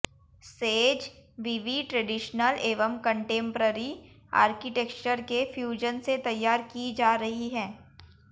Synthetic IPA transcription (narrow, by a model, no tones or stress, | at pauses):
seːd͡ʒʋiːʋiʈɾɛɖɪʃnəleːʋəmkə̃ɳʈẽːmpɾəɾi | a̰ːɾkɪʈɛkt͡ʃəɾkefjuːd͡ʒənset̪ɐjːaːɾkid͡ʒaːɾɐɦiɦɛ̃ː